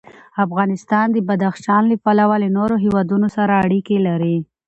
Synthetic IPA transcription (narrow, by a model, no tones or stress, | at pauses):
afɣɑnɪst̪ɑnd̪əbad̪axʃɑnləpalawalənoɾoɦewɑd̪unosaɾaːɽikelaɾi